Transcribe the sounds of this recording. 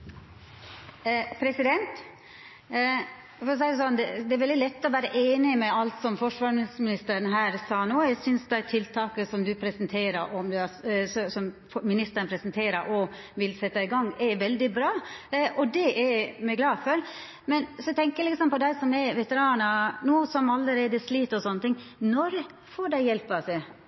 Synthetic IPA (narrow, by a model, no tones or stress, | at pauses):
pʰɾɛsɪd̪ɛnt̪ | fɔɾsæɪd̪ɛs̬ɔnd̪ɛd̪ɛæɾʋɛld̪ɪlɛt̪ːɔʋæːɾəʔeːnɪmɛɑlt̪sɔmfɔʂʋɑːɾmɪnɪsmɪnɪst̪əɾənɦæːɾsɑːnoːjæɪsʏnsd̪æɪt̪ʰɪlt̪ʰɑːkəsɔmd̪ʉpʰɾɛsənt̪ʰeːɾəɾʔɔmd̪ɛɑsssɔm | mɪnɪst̪əɾnpʰɾɛsənt̪ʰeːɾəɾʔɔ | ʋɪlsɛt̪ːɪɡɑŋːɛɾʋɛld̪ɪbɾɑːʔɔd̪ɛʔɛmɛɡlɑːfɔɾ | mɛnsɔt̪ʰɛŋkəjælɪksɔmpɔd̪æɪsɔmɛʋɛt̪əɾɑːnɑnuːsɔmɑlːəɾeːd̪əsliːt̪ɔsɔnːət̪ɪŋːnɔɾ | foːɖæɪjɛlpɑse